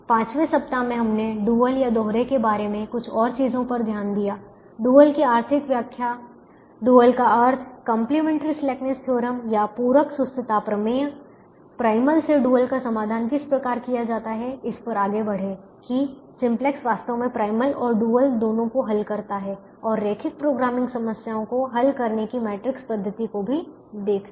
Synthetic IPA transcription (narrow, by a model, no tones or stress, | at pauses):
pãːt͡ʃʋesɐp̚t̪amẽɦɐmneɖuːəljad̪ɔːɦɾekebaːɾemẽkʊt͡ʃʰɔːɾt͡ʃiːzõpɐɾd̪ʱjaːnd̪ijaː | ɖuːəlkiaːɾt̪ʰɪkʋjaːkʰja | ɖuːəlkaɐɾt̪ʰkə̃mplimɛ̃ːɳʈɾislɛːkneskʰjoːɾəmjapuːɾəksʊst̪ət̪apɾɐmeːə | pɾaːɪməlseɖuːəlkasɐmaːd̪ʱaːnkɪspɾɐkaːɾkijad͡ʒaːt̪aɦɛɪspɐɾaːɡebɐɽ̤e | kisɪ̃mplɛksʋaːst̪õmẽpɾaːɪməlɔːɾɖuːəld̪oːnõkoɦɐlkɐɾt̪aɦɛ | ɔːɾːeːkʰɪk̚pɾoːɡɾaːmɪ̃ŋɡsɐməsjaːõkoɦɐlkɐɾnekimɛːʈɾɪkspɐd̪ʱːət̪ikobʱi | d̪eːkʰ